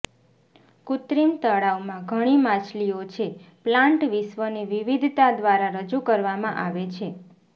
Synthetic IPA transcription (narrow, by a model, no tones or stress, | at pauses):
kut̪ɾimt̪əɭaumãɡʱəɽ̃imãt͡ʃliot͡ʃʰeplãɳʈʋiʃʋəneʋiʋid̪ʱt̪ad̪ʋaɾaɾəd͡ʒukəɾʋamãʔaʋet͡ʃʰe